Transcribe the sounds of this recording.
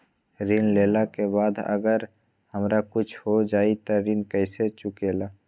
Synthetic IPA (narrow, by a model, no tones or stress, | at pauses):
ɾinleːlakebaːd̪ə̰ɡəɾ | həmɾakʊt͡ʃʰhod͡ʒaːit̪oɾinkəɪset͡ʃʊkeːlaː